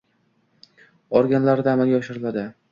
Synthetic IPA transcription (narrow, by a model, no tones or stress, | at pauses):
ɒɾɡʲanlaɾd̪aːmalɡʲaɒʃɪɾɪlad̪ɪ